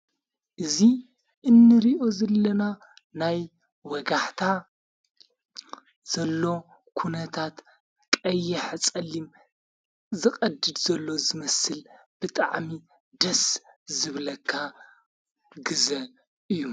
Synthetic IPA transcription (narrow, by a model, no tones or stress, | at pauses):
ʔɨzi | ʔɨnːɨɾiʔo̞zɐlːɐna | naj | wɐɡaħt̪ʰa | z̥ɐlːo̞ | kʰunɐt̪ʰat̪ | kʼɐjːɛħɨt͡sʼɐlːim | zɨxʼɐd̪ɨd̪z̥ɐlːo̞zɨmɐsɨl | b̥ɨt̪ʼa̰ʕmi | d̪ɐszɨβlɐkʰːa | ɡɨzɐ | ʔɨjːu